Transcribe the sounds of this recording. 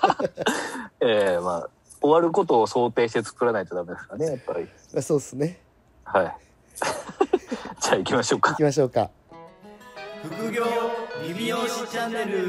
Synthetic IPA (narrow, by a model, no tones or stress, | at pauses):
eːma̰ː | oβaɾɯ̟ko̞t̪o̞ːso̞ːt̪e̞ːɕi̥t̪e̞t͡sɨ̥kɯ̟ɾanait̪o̞d̪ame̞d̪e̞sɨ̥kanejapːaɾʲi | maso̞ːd̪esɨne̞ | hai | d͡ʑaikʲimaɕo̞ːkḁimaɕ̬o̞ːka̰ | ɸɯ̟kɯ̟ɡʲoːmiioɕiaeɾɯ